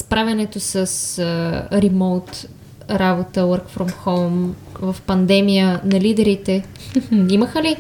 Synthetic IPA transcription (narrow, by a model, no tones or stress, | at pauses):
spɾavʲjɐnɛt̪osəsəɾimowt̪ | ɾabot̪əwəɾkfɾomxolˠm | vɐfpɐnd̪ɛmijənɐlid̪ɛɾit̪ɛ | iməxəli